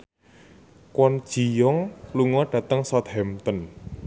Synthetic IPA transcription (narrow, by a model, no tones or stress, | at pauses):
kwɔnd̥ʒ̥i̤jɔŋluŋɔɖ̥ä̤t̪əŋsɔt̪̚hɛmt̪ɔn